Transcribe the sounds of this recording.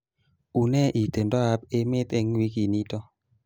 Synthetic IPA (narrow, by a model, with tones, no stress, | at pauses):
u˨nɛ˦ʔi˨te˨ndɔ˦a˦p̚e˦mɪ˦t̪e˦ŋwi˦ki˨ni˦tɔ˦